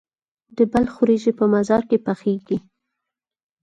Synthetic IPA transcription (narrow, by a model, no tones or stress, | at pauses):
d̪əbalxʊɾeʒepəmazɑɾkepaxeɡi